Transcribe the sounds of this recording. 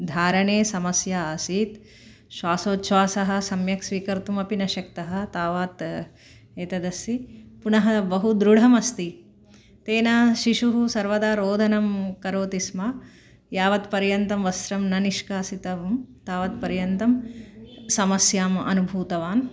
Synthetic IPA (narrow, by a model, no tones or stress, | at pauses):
d̪ʱaːɾɐɳeːsɐmɐsjaːsiːt̪ | ʃʋaːsoːt̪ʃʋaːsɐɦɐ̆sɐmjɐksʋiːkɐɾt̪umɐpinɐʃɐk̚t̪ɐɦɐ̆t̪aːʋaːt̪ | eːt̪ɐd̪ɐsipunɐɦɐbɐɦud̪ɾuɽ̤ʱɐmɐst̪i | t̪eːnɐʃiʂuɦusɐɾʋɐd̪aːɾoːd̪ʱɐnɐmkɐɾoːt̪ismɐ | jaːʋɐt̪pɐɾjɐnt̪ɐmʋɐsɾɐmnɐniʃkaːsit̪ɐʋɐmt̪aːʋɐt̪pɐɾjɐnt̪ɐm | sɐmɐsjaːmɐ̰nubʱuːt̪ɐʋaːn